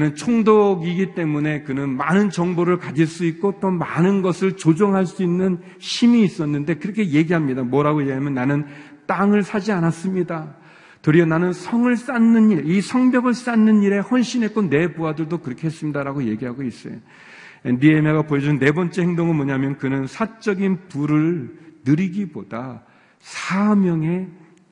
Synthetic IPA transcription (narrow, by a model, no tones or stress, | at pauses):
nɯnt͡ɕʰoŋdoɡiɡit͈e̞mune̞kɯnɯnmanɯnt͡ɕʌŋboɾɯɭkad͡ʑiɭs͈uit̚k͈ot͈omanɯnɡʌsʰɯɭt͡ɕod͡ʑoŋɦaɭs͈uinːɯn | ɕʰimiːs͈ʌnːɯnde̞kɯɾʌkʰe̞je̞ɡiɦamɲidamwʌɾaɡoje̞ɡiɦamjʌnːanɯn | t͈aŋɯɭsʰad͡ʑianas͈ɯmɲida | tɯɾiʌnanɯnsʰʌŋɯɭs͈anːɯniɭisʰʌŋbjʌɡɯɭs͈anːɯniɾe̞hʌnɕʰinɦe̞k͈one̞buadɯɭdokɯɾʌkʰe̞he̞s͈ɯmɲidaɾaɡoje̞ɡiɦaɡois͈ʌjo | endiemaɡapoed͡ʑunːe̞bʌnt͡ɕ͈e̞heŋdoŋɯnmʌɲamjʌnkɯnɯnsʰat͡ɕ͈ʌɡinpuɾɯɭnɯɾiɡibod̥a | sʰamjʌŋe̞